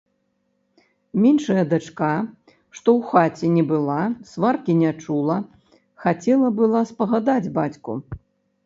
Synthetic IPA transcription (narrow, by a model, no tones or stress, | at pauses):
mʲinʂɐjɐd̪at͡ʂka | ʂt̪ɔwxat͡sʲɛnʲɛbɨlˠasvarkʲinʲat͡ʂulˠɐ | xat͡sʲɛlˠɐbɨlˠaspɐɣad̪ad͡zʲbat͡sʲkṵ